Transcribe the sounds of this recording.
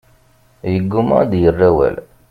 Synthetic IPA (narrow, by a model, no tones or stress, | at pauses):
jəɡːumə̰d̪jərːæwæ̰l